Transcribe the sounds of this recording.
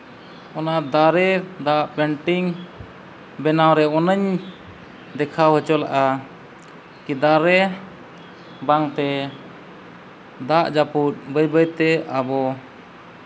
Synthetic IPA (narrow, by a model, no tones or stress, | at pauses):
ɔnad̪aɾɛd̪aʔpɛɳʈiŋ | bɛnawɾɛɔnəɲ | d̪ɛkʰawɦət͡ʃɔla̰ʔa | kid̪aɾɛ | baŋt̪ɛ | d̪aʔd͡ʒaput̪̚ˀbəjbəjt̪ɛabɔ